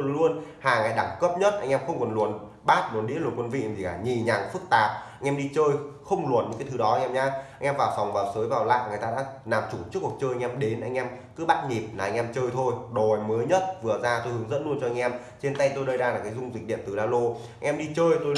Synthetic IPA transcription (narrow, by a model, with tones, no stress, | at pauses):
lu˧ənhaː˨˩ŋaː˨˩jɗa˧˩ŋkə˦˥p̚ɲə˦˥t̚ʔa˧jŋ̟ʔɛ˧mxə˧wŋ͡mkɔ˨˩nlu˨˩ən | ɓaː˦˥t̚lu˨˩ənɗḭ˧˥lu˨˩nkwə˧nvḭ˧˨˧t̪ʰi˨˩kaː˧˩ɲi˨˩ɲaː˨˩ŋfɨ˦˥k̚t̪aː˨˩p̚a˧jŋ̟ʔɛ˧mɗi˧t͡ɕəː˧jxə˧wŋ͡mlu˨˩ənɲɨ̰˧˥ka˨˦t̪ʰɨ˨˦ɗɔ˨˦a˧jŋʔɛ˧mɲaː˧ʔa˧jŋʔɛ˧mvaː˨˩fa˨˩wŋ͡mvaː˨˩wsəː˨˦jvaː˨˩wla̰ː˧˨jŋ˨˩əjt̪aː˧ɗa̰ː˧˥naː˨˩mt͡ɕu˧˩t͡ɕɨ˦˥kk̚t͡ɕəː˧ja˧ŋʔɛ˧mɗe˨˦nʔa˧jŋ̟ʔɛ˧m | kɨ˨˦ɓaː˦˥t̚ɲi˨˩p̚naː˨˩˧jŋ̟ʔɛ˧mt͡ɕəː˧jt̪ʰo˧jɗo˨˩jməː˨˦jɲə˦˥t̚vɨ˨˩əzaː˧t̪o˧jhɨ˨˦ŋzə̰˧˥nlu˧ənt͡ɕɔ˧ʔŋ̟ʔɛ˧m | t͡ɕe˧nt̪a˧jt̪o˧jɗə˧jɗaː˧laː˨˩kaː˨˦jzʊ˧ŋ͡mzi̟˨˩ɗi˧˩ənt̪ɨ˨˩laː˧lo˧ʔa˧ŋ̟ʔɛ˧mɗi˧t͡ɕəː˧jt̪o˧